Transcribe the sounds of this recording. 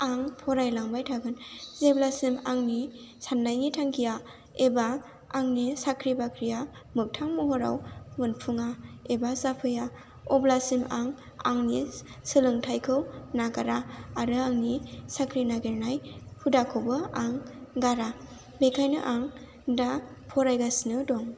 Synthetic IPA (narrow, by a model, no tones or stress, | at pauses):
aŋpʰɔɾajlaŋbajtʰaɡɯnzeblasimaŋni | sanːajnitʰaŋkʰija | ebaː | ŋnisakʰɾibakʰɾijamɯk̚tʰaŋmuɦɔɾa̰wmɯnpʰuŋaebazapʰɯja | ɔblasima̰ŋ | aŋnisɯlɯŋtʰajkʰɯwnaɡaɾaːɾɯaŋnisakʰɾinaɡeɾnajpʰudakʰɯwbɯaŋɡaɾa | bekʰajnɯʔaŋ | da | pʰɔɾajɡasinɯdɔŋ